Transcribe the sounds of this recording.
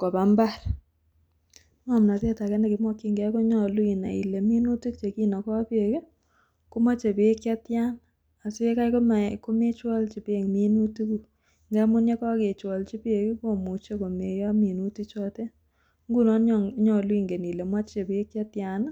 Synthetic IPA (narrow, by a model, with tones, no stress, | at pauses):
ko˨pa˨mba˦ɾ | ŋa˦˨m˨na˨te˦ta˨kɛ˦ne˨kɪ˨mwɔ˦kːi˦ŋɡɛ˨˦ko˦ɲɔ˦lwi˨na̰˨ḭ˨le˨mi˦nu˦tu˦kt͡ʃe˨ki˦nɔ˨kɔ˦pe˨ke˦ | ko˦ma˦t͡ʃe˨pe˨˦kja˦tja˦n | a˨si˦e˦ka˦jko˦ma˨ko˦me˦t͡ʃwɔ˦lt͡ʃi˨pe˨ŋmi˦nu˦tu˦ku˨ | ŋɡɛ˦mʊ˦nje˦kɔ˦ke˨t͡ʃwɔ˨lt͡ʃi˦pe˨ki˦ko˦mu˨t͡ʃe˦ko˨me˨jɔ˦mi˨nu˦tu˦kt͡ʃɔ˦te˦ | ŋɡu˦nɔ˦nɲɲɔ˨lwi˦ŋɡe˨ni˨le˨mwa˦t͡ʃt͡ʃe˨pi˦e˦kja˦tja˨na˦